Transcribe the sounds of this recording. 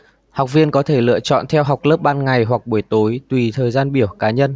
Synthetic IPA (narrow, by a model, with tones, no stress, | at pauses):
ha˨˩wk͡p̚vi˧ənkɔ˨˦t̪ʰe˧˩lɨ̰˧ət͡ɕɔ̰˧˨nt̪ʰɛ˧wɦa˨˩wk͡p̚lə˦˥p̚ɓaː˧nŋa˨˩jɦwa˨˩k̚ɓu˧˩əjt̪o˨˦jt̪wi˨˩t̪ʰəː˨˩jzaː˧nɓi˧˩əwkaː˨˦ɲə˧n